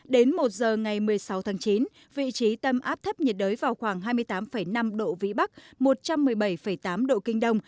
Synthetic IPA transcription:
ɗe˨˦nmo˨˩t̚zəː˨˩ŋa˨˩jmɨ˨˩əjsa˨˦wt̪ʰaː˨˦ŋt͡ɕi˨˦n | vḭ˧˨t͡ɕi˨˦t̪ə˧˩mʔaː˦˥p̚t̪ʰə˦˥p̚ɲi˨˩t̚ɗəː˨˦jvaː˨˩wxwaː˧˩ŋɦaː˧jmɨ˧əjt̪aː˨˦mfə˧˩jna˧mɗo̰˧˨vḭ˧˨ɓa˦˥k̚mo˨˩t̚t͡ɕa˧mːɨ˨˩əjɓa˧˩jfə˧˩jt̪aː˨˦mɗo̰˧˨kï˧ŋ̟ɗə˧wŋ͡m

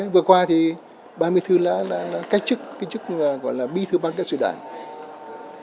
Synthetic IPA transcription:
vɨ˨˩əkwaː˧t̪ʰi˨˩ | ɓaː˧mɨ˧əjt̪ʰɨ˧la̰ː˧˥la̰ː˧˥la̰ː˧˥ka˦˥jk̟̚t͡ɕɨ˦˥k̚ka˦˥k̚t͡ɕɨ˦˥k̚ːɣɔ̰˧˨jlaː˨˩ɓi˧˥t̪ʰɨ˧ɓa˧ŋkaː˦˥k̚sɨ̰˧˨ɗa̰ː˧˩n

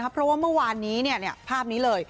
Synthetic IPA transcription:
kʰa˦˥pʰɾɔ˦˥waː˥˩mɯ˥˩ɐwaː˧nːiː˦˥ni˥˩əni˥˩ɐpʰaː˥˩p̚niː˦˥lɤː˧j

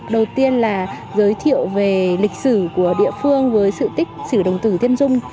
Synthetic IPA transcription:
ɗə˨˩wt̪i˧ənlaː˨˩ | zəː˨˦jt̪ʰḭ˧˨əwve˨˩lï˨˩k̟̚sɨ˧˩ku˧˩əɗḭ˧əfɨ˧əŋvəː˨˦jsɨ̰˧˨t̪ï˦˥k̟̚sɨ˧˩ɗə˨˩wŋ͡mt̪ɨ˧˩t̪i˧ənzʊ˧ŋ͡m

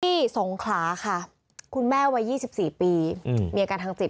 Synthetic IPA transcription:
t̪ʰiː˥˩so˩˦ŋkʰlaː˩˦kʰa˥˩ | kʰu˧nmɛː˥˩wa˧˥jːiː˥˩si˨˩p̚siː˨˩piː˧miː˧a˧kaː˧nt̪ʰa˧ŋsi˨˩

